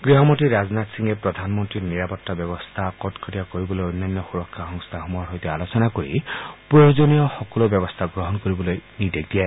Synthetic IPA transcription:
ɡɹiɦɔmɔtiɾaznat̪siŋepɹɔd̪ʱanmɔntɹiniɹapɔtːabjɔbɔst̪ʰakɔtkʰɔtiakoɹibɔlojonːanːɔxuɹɔkʰːaxɔŋst̪ʰaxumɔaɾɦojtealosɔnakoɹḭpɹɔjozonijɔxɔkɔlobjɔbɔst̪ʰaɡɾɔɦɔnkoɹibɔlojnidek̚dija

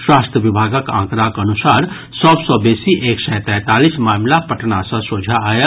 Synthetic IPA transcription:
ʃwaːst̪ʰjəʋɪbʱaːɡəkã̰ːkɾaːkɐnʊsaːɾ | sɔːbsɔbeːsiʔeːksɛ̃ːt̪ɛ̃ːt̪aːlismaːmlapɐʈnasãsoːd͡ʒʱaːja

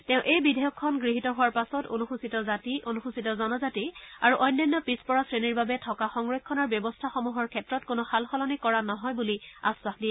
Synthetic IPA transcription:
tɛʊ̃ʔejbidʱɛjɔkʰːɔnɡɹiɦitɔɦuwaɹpasɔto̰nuxusitɔzatiʔonuxusitɔzɔnɔzatiaɹuʔɔjnːɔnːɔpispɔɹasɹeniɹbabɛtʰɔkaxɔŋɹɔjkkʰːɔnaɹbjɔbɔstʰaxɔmuɦɔɹkʰɛtɹɔtkonɔxalxɔlɔnikɔɹanɔɦɔjbulia̰swaxdiɛ

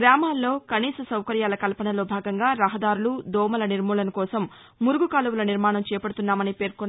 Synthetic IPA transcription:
ɡɾaːmaːlːo̞ːkɐniːsɐsɐwkɐɾjaːlɐkɐlpɐɳɐlo̞ːbʱaːɡɐŋɡaːɾɐɦɐd̪aːɾulud̪ɔːmɐlɐniɾmuːlɐnɐkɔːsɐmː | uɾuɡukaːlɐwulɐniɾmaːɳɐmt͡ʃɛːjɐpɐɽut̪unːaːmɐnipe̞ːɾkɔnː

